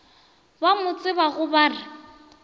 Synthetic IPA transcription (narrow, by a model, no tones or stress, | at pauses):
bamʊt͡sʼɪbaɣʊbaːrɪ